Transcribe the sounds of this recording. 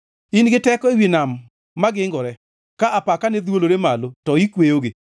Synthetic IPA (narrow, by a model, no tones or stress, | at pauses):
inɡɪtɛkɔewinamː | aɡɪŋɡɔɾɛ | kaʔapakanɛd̪woloɾemalotɔikwejoɡɪ